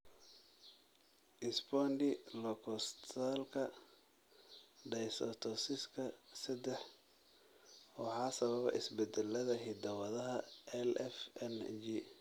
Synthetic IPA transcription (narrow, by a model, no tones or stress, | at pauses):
ʔɪsbɔndɪlɔkʰɔst̪ʰalkʰɐ | ɖɛjsɔt̪ʰɔsɪskʰɐsɐd̪ɛħ | wɑħɑːsɐβɐβɛ̰ʔɪ̰sbɛd̪ɛlːɐðɐɦid̪ɐwɐðɐɦɐɛlɛfɛnd͡ʒi